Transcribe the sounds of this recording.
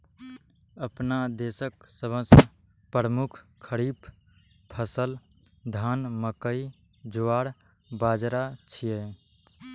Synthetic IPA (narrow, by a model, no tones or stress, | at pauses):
əpnad̪esəksəbəs | pəɾəmukʰkʰːəɾip | pʰəsəl | d̪ʱanməkəi | d͡ʒoaɽ | bad͡ʒɾat͡ʃʰije